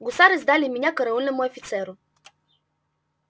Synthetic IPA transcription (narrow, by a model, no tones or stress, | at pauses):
ɡʊsaɾəzd̪alimiɲʲakəɾɐunɛmuɛfit̪sɛɾʊ